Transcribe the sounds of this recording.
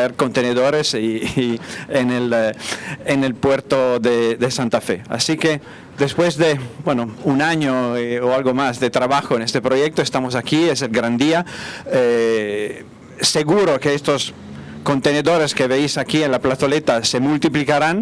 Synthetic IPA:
eɾkont̪eneðoɾesi | enelː | nelpweɾt̪oðed̪esant̪afea̰sike | d̪espwezd̪ebwenounaɲooalɡomasd̪et̪ɾaβaxoenest̪epɾojek̚t̪oest̪amos̬akies̬elɡɾand̪iae | seɣuɾokeest̪os | kont̪eneðoɾeskeβeisakienlaplat̪olet̪asemult̪iplikaɾan

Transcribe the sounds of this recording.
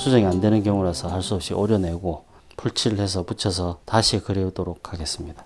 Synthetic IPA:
sʰud͡ʑeŋiandwe̞nɯnkjʌŋuɾasʰʌhaɭs͈uʌp̚ɕ͈iʔʌɾjʌne̞ɡo | pʰuɭt͡ɕʰiɾɯɭhe̞s̬ʰʌput͡ɕʰʌs̬ʰʌtaɕʰikɯɾeudoɾok̚ʰaɡe̞s͈ɯmɲida

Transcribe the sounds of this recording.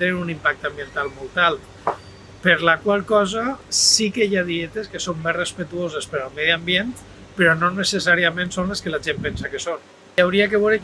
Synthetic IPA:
t̪eniɾunimpak̚t̪ambjent̪alˠmolˠt̪alˠ | pəɾlakwalˠkɔzasikəjaðiet̪eskəsomːerespət̪uozespəɾalˠmɛðiambjen | pəɾɔnonəsesaɾiamẽnsonleskəlaʒempɛnsakəson | awɾiak̬əβowɾe

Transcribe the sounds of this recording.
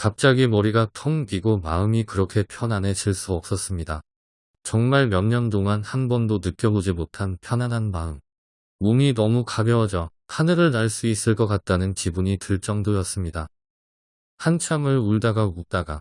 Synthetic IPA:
kap̚t͡ɕ͈aɡimʌɾiɡatʰʌŋbiɡomaɯmikɯɾʌkʰe̞pʰjʌnane̞t͡ɕiɭs͈uʌp̚s͈ʌs͈ɯmɲida | t͡ɕʌŋmaɭmjʌnɲʌntoŋanhanbʌndonɯk͈jʌbod͡ʑimotʰanpʰjʌnanɦanmaɯm | mominʌmukaɡjʌwʌd͡ʑʌ | hanɯɾɯɭnaɭs͈uis͈ɯɭk͈ʌkat̚t͈anɯnkibuɲitɯɭt͡ɕ͈ʌŋdojʌs͈ɯmɲida | hant͡ɕʰamɯɭuɭdaɡaut͈aɡa

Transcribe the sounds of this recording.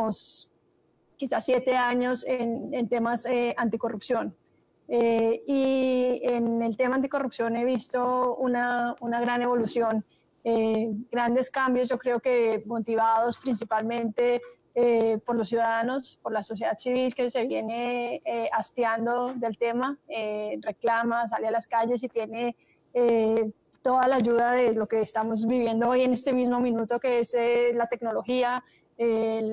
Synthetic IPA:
os | kisasjet̪e̞aɲo̞senent̪e̞maseant̪iko̞rupsjo̞n | eienelt̪e̞mant̪i̥ko̞rupsjo̞ne̞βist̪o̞unaunaɣɾane̞βo̞lusjo̞n | eɡ̥ɾand̪e̞skambjo̞zd͡ʒo̞kɾe̞oke̞mo̞t̪iβaðo̞spɾins̬ipalmẽ̞nt̪e̞ | epo̞ɾlos̬juðaðano̞spo̞ɾlaso̞s̬je̞ðad̪siβilke̞se̞βje̞ne̞east̪jand̪o̞ðe̞lt̪e̞maere̞klamas̬alealaskaʝe̞s̬it̪je̞ne̞ | e | t̪o̞ðalaːd͡ʒuðaðe̞lo̞keːst̪amo̞z̬biβje̞nd̪o̞oje̞ne̞st̪e̞mizmo̞mĩnut̪o̞ke̞eselat̪e̞kno̞lo̞xia | e

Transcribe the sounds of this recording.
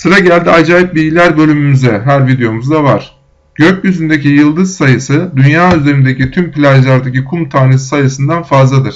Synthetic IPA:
sɯɾaɟælʲd̪iad͡ʒaːjip̚biɟilʲæɾbø̞lʲymymyzɛɦæɾvid̪ejo̞muzd̪avaɾ̥ | ɟ̥øcjyzynd̪ecijɯlˠd̪ɯzsajɯsɯd̪ynjaːyzeɾind̪ecit̪ʰympilʲaʒlʲˠaɾd̪acikʰumt̪ʰaːnesi̥sajɯsɯnd̪anfazlˠad̪ɯɾ̥

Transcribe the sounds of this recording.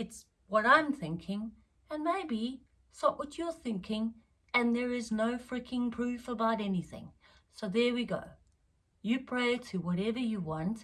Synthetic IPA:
ɨts | wʌɾãɪ̃mθɪ̃ŋkʰɪ̃ŋ | ɨ̃nmeɪbi | səʔwʌt͡ʃə˞θɪ̃ŋkʰɪ̃ŋ | ɨ̃nðə˞ɪznoʊfɹɪkʰɪ̃ŋpʰɹ̥ʉfəbaʊɾɛniθɪ̰̃ŋ | soʊðə˞wiɡo̰ʊ | jɨpʰɹ̥eɪɾɨwʌɾɛvə˞jɨwɑ̃nt

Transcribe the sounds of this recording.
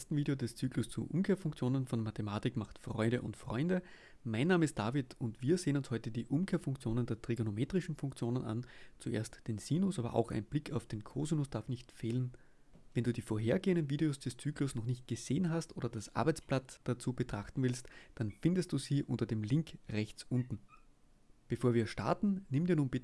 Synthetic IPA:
stn̩viːdeodɛst͡syːklʊst͡sṵʔʊ̰mkʰeːɐfʊŋk̚t͡sjoːnənfɔ̃nmatemaːtɪkmaχtfʁ̥ɔ̰ʏɾəʔʊ̰ntfʁ̥ɔ̰ʏndə | maɪnːaːməɪst̚d̥aːvɪtʊntv̥iːɐzeːənʊnshɔʏtədiːʔʊmkʰeːɐfʊŋkt͡sjoːnəndeːɐtʁ̥iɡonomeːtʁ̥ɪʃn̩fʊŋkt͡sjoːnənʔa̰nt͡suʔḛːɐstd̥eːnsiːnʊsʔaːbɐ̰ʔa̰ʊxæ̰ɪnb̥lɪkʰaʊfd̥eːnkʰoːzunʊsd̥aɐfnɪçtfeːlən | vɛnduːdiːfoːɐɦeːɐɡeːəndn̩viːɾeosd̥ɛst͡syːklʊsnɔχnɪçt̚ɡ̥əz̥eːənɦastʔo̰ːɾɐdasʔa̰ɐbæɛɪt͡splatd̥at͡suːb̥ətʁ̥aχtn̩vɪlstd̥anfɪndəstd̥uːziːʔʊ̰ntɐdeːmlɪŋkʁɛçt͡sʔʊntn̩ | b̥əfoːɐviːɐʃta̰ɐtn̩nɪmdiːɐnuːnbɪt

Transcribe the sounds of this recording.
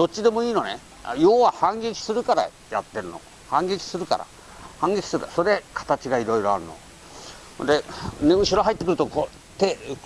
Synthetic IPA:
d̪̥o̞t͡ɕːid̪e̞mo̞iːno̞nḛ | joːβahãŋɡʲe̞kʲi̥sɨɾɯ̟kaɾa̰ | jat̪ːe̞ɾɯ̟no̞̰ | hãŋɡe̞kʲi̥sɨɾɯ̟ka̰ɾa̰ | hãŋɡekʲi̥sɨɾɯkaso̞ɾe̞kʰḁt̪at͡ɕiɡaiɾo̞iɾo̞aɾɯ̟no̞̰ | hnd̪eneɯ̟ɕiɾo̞ɦait̪ːekɯɾɯ̟t̪oko | t̪e

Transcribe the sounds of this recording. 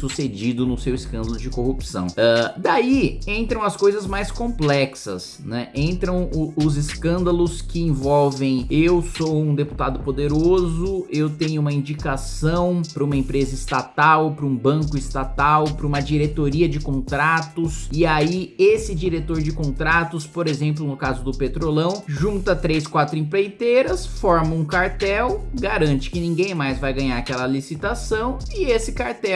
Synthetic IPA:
sused͡ʒid̪ʊnʊsewɪskɐ̃nd̪ɐlʊd͡ʒɪkohupsɐ̰̃w̃ad̪aiẽnt̪ɾɐ̃w̃ɐskojzɐzmajskõplɛksɐ̰s | nɛʔẽnt̪ɾɐ̃w̃ʊʊzɪskɐ̃nd̪ɐlʊskɪẽvɔwvẽj̃ewsowũd̪epu̥t̪ad̪ʊpod̪eɾozʊewt̪ẽɲʊũmɐĩnd͡ʒikasɐ̃w̃pɾɐũmɐẽpɾezɐɪst̪at̪awpɾɐũbɐ̃kʊist̪at̪awpɾɐũmɐd͡ʒiɾet̪oɾiɐd͡ʒɪkõnt̪ɾat̪ʊsɪaiesɪd͡ʒiɾet̪oɾd͡ʒɪkõnt̪ɾat̪ʊspoɾezẽmplʊnʊkazʊd̪ʊpet̪ɾolɐ̃w̃ʒũnt̪ɐt̪ɾejskwat̪ɾʊĩplejt̪eɾɐsfɔɾmɐũkaɾt̪ɛwɡaɾɐ̃t͡ʃɪ̥kɪnĩɡẽj̃majzvajɡɐ̃ɲaɾakɛlɐlisit̪asɐ̃w̃ɪesɪkaɾt̪ɛ

